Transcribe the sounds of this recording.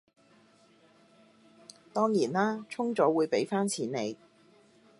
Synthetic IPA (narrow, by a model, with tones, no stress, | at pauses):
t̪ɔː˥ŋjiː˨˩nlaː˥t͡sʰʊ˥ŋt͡sɔː˨˥wuː˨˧jpe˨˥jfaː˥nt͡sʰiː˨˥nne˨˧j